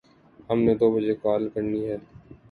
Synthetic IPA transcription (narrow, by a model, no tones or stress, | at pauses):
həmned̪oːbəd͡ʒekaːlkəɾniɦɛː